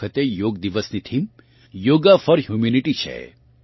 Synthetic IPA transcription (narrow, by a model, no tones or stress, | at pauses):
ət̪ejoːɡ̚d̪iʋəsnit̪ʰim | joːɡafəɾɦjumuniʈit͡ʃʰḛ